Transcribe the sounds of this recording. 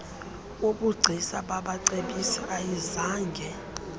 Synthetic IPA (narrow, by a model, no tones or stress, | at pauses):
uɓuɡ͡ǀʱisaɓaɓaǀeɓisiʔajizaːŋɡʱɛ